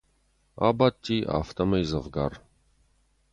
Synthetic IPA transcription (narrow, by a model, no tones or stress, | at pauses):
a̰bat̪ʲːiʔa̰ft̪ɐməjzəvɡar